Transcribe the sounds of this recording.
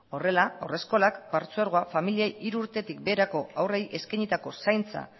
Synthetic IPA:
o̞re̞laawre̞sko̞lakbaɾt͡suaɾɣ̞oafamiliejʔiɾuːɾt̪e̞t̪ik̚be̞ːɾako̞awre̞jʔe̞skajɲit̪ako̞sajnt͡sa̰

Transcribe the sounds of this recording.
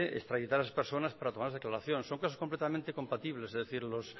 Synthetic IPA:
eḛst̪ɾaʝit̪aɾasaspeɾso̞naspaɾat̪o̞maɾzð̞eklaɾaθjonsoŋkas̬okomplet̪amẽnt̪eko̞mpat̪iβle̞sezðeθiɾlos

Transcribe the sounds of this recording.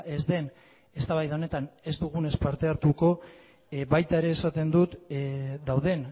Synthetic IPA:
ʔe̞zd̪e̞n | e̞st̪aβajðao̞ne̞t̪ane̞zd̪uɣ̞une̞spaɾt̪e̞aɾt̪uko̞ | βajt̪aeɾe̞ːsat̪e̞nd̪ut̪d̪awð̞e̞n

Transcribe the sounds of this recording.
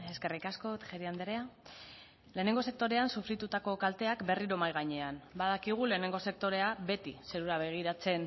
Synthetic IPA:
e̞ske̞rikasko̞t̪ʝeɾiand̪eɾea | le̞ːne̞ŋɡo̞se̞k̚t̪o̞ɾe̞ansufɾit̪ut̪ako̞kalt̪e̞akbe̞riɾo̞majɣaɲe̞anbaðakiɣ̞ule̞ːne̞ŋɡo̞se̞k̚t̪o̞ɾe̞abe̞t̪ise̞ɾuɾaβ̞e̞ɣ̞iɾat͡se̞n

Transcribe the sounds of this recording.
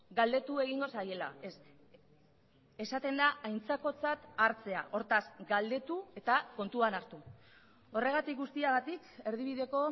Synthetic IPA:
ɡald̪e̞t̪ue̞ɣ̞iŋɡo̞saje̞la̰es | e̞sat̪e̞nd̪aajnt͡sako̞t͡sat̪aɾt͡se̞a̰ʔo̞ɾt̪asɡald̪e̞t̪ue̞t̪ako̞nt̪uanaɾt̪u | o̞re̞ɣ̞at̪ik̚ɡust̪iaɣat̪ike̞ɾð̞iβ̞iðe̞ko̞

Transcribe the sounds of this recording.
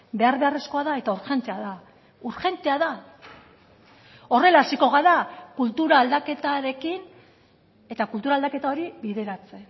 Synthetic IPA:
be̞aɾβe̞are̞sko̞aðae̞t̪auɾxe̞nt̪eaða | uɾxe̞nt̪e̞aða | o̞re̞laːsiko̞ɣaðakult̪uɾaːld̪ake̞t̪aɾe̞kin | e̞t̪akult̪uɾald̪ake̞t̪ao̞ɾiβiðe̞ɾat͡se̞

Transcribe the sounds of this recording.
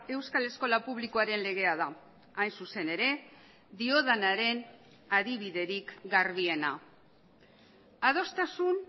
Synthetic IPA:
e̞wskale̞sko̞lapuβ̞liko̞aɾe̞nle̞ɣ̞e̞aðaː | jnsuse̞ne̞ɾe̞ | ðio̞ð̞anaɾe̞n | aðiβ̞iðe̞ɾikɡarβie̞na | að̞o̞st̪asun

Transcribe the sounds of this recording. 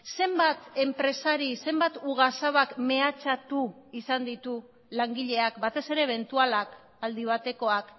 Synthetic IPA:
se̞mbat̪e̞mpɾe̞saɾise̞mbat̪uɣasaβakme̞at͡ʃat̪uisand̪it̪u | laŋɡiʎe̞akbat̪e̞se̞ɾe̞ːβ̞e̞nt̪ualak | ald̪iβ̞at̪e̞ko̞ak

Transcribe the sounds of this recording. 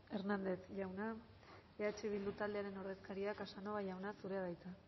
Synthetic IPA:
e̞ɾnand̪e̞θʝawna | eat͡ʃiβ̞ild̪ut̪ald̪e̞aɾe̞no̞ɾðe̞skaɾiakasanoβaʝawnasuɾeaðajt͡sa

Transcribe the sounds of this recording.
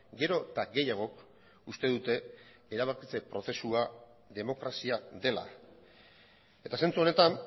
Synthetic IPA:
ɡe̞ɾo̞t̪aɡe̞jaɣ̞o̞k | ust̪e̞ðut̪e̞ | eɾaβ̞aɾkit͡se̞pɾo̞θe̞sua | ðe̞mo̞kɾasiaðe̞la̰ | e̞t̪ase̞nt͡suo̞ne̞t̪an

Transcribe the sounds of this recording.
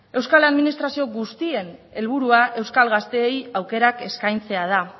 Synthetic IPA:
e̞wskalaðminist̪ɾasio̞ɡust̪ie̞ne̞lβ̞uɾuaʔe̞wskalɣast̪e̞ːjawke̞ɾake̞skajnt͡se̞að̞a

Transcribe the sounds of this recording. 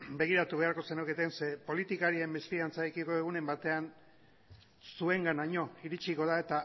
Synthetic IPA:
be̞ɣ̞iɾat̪uβe̞aɾko̞se̞noket̪ense̞po̞lit̪ikaɾie̞mbesfiant͡saekiko̞e̞ɣ̞une̞mbat̪e̞an | sue̞ŋɡanaɲo̞iɾit͡ʃiko̞ð̞ae̞t̪a

